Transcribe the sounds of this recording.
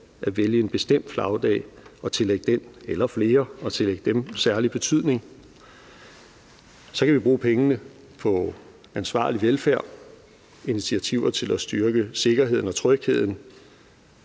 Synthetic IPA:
ʔæʋeljəe̝nb̥e̝sd̥em̰d̥flɑ̈ʊd̥ɛ̰ːɒ̽t͡sʰe̝leɡ̥əd̥enelɐfle̝ːɐɒ̽t͡sʰe̝leɡ̥əd̥emsæɐlib̥e̝t͡sʰyð̞̰ˠne̝ŋ | sɒ̽kʰæʋib̥ʁuːpʰeŋənə | pʰɒ̽ | ænsʋɑ̰̈ːliʋelfæɐ̰ | init͡sʰiæt͡sʰiʊ̰ɐt͡sʰe̝læsd̥yɐɡ̥əse̝ɡ̥ɐɦe̝ð̞̰ˠn̩ɒ̽t͡sʰʁœɡ̥he̝ð̞̰ˠn̩

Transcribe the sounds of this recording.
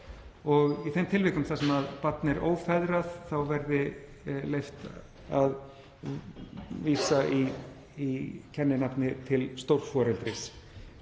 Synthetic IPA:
ɔɣiθejmt̪ʰɪlvɪːkʏmθasɛmaðpat̪nɪɾo̰ːwfɛðɾaðθawvɛɾðɪ | lejft̪ | að | viːsai | icʰɛnːɪnapnɪt̪ʰɪlst̪owɾ̥fɔːɾɛlt̪ɾɪs

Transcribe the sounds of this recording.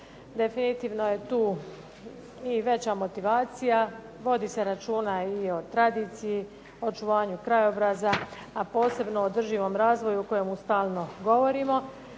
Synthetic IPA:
d̪e̞finit̪iːʋno̞je̞t̪uː | iʋe̞t͡ɕamo̞t̪iʋaːt̪sija | ʋo̞d̪iːse̞ɾat͡ʃuːnaio̞t̪ɾad̪iːt̪siji | o̞t͡ʃuʋaːɲukɾajobɾazaː | po̞ːse̞bno̞od̪r̩ʒiːʋo̞ːmɾaːzʋo̞juuko̞jemust̪aːlˠno̞ɡo̞ʋo̞ɾimo̞

